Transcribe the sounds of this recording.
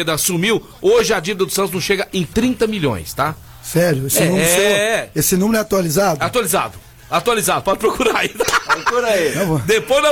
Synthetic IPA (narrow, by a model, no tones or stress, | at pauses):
d̪ɐasumiw | oʒɪɐd͡ʒivid̪ɐd̪ʊsɐ̃nt̪ʊznɐ̃w̃ʃeɡɐẽj̃t̪ɾĩnt̪ɐmiʎõ̰j̃st̪a | sɛɾjʊesɪɛnũm | esɪnũmeɾʊɛat̪ualizad̪ʊɛat̪ualiza̰d̪ʊ | at̪ualizad̪ʊpɔd͡ʒɪpɾokuɾait̪aɾokuɾaiɐ̃vɐd̪epojzd̪ɐ